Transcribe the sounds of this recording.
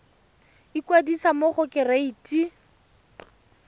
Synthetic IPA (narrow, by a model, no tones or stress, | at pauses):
ikwadisamoχʊkɪraiːti